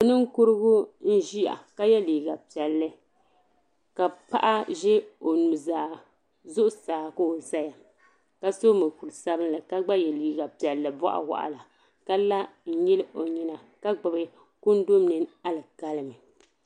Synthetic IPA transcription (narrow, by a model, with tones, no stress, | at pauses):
o˨nɨ˦ŋ˦kʊ˦ɾɨ˦ɡʊ˦n̩˦ʒi˦ja̰˨ka˦jɛ˦liː˨ɡa˨pi˨ɛ˨lːɨ˦ | ka˨pa̰˦ʔa˦ʒɛ˦o˨nu˨zaː˨ | zʊ˦ʔʊ˦saː˨ko˦o˨za˦ja˨ | ka˦so˦mɨ˨ku˨lsa˦bɨ˦n˦lɨ˨ka˦ɡ͡ba˦jɛ˨liː˨ɡa˨pi˨ɛ˨lːɨ˨bɔ̰˦ʔa̰˨wa̰˦˨ʔa̰˨la˨ | ka˦la˦n̩˦jɛ˦lɨ˦ʔo˨ɲɛ˨na˨ | ka˦ɡ͡bɨ˨bɨ˦ | kʊ˦n˦do˦mnɨ˦na˦lɨ˨ka˦lɨ˨mɨ˨